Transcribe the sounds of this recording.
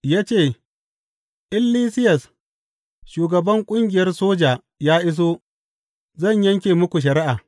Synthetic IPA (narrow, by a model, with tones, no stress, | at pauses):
jaː˦t͡ʃeː˦˨ | ʔɪ˦lːiː˦sɪ˦jɐ˨s | ʃuː˨ɡɐ˨bɐ˦ŋkʷʼʊ˦ŋɡʲɪ˨jɐ˦rsoː˦d͡ʒaː˨ | jaː˦ʔɪ˦s̬oː˦ | zɐ˦˨ɲjɐ˦ŋkʲeː˨mʊ˦kʷu˨ʃ̬ɐ˨ɾɪ˦ʔaː˨